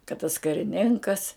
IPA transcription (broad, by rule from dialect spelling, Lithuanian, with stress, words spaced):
kɐt tɐs kɐrʲɪˈnʲɪŋkɐs